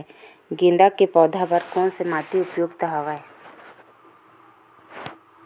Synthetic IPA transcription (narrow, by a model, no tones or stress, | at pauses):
ɡĩːnd̪akepɔːd̪ʱabəɾkɔ̃nsemaːt̪iʊpjoːɡt̪aɦaʋaɛ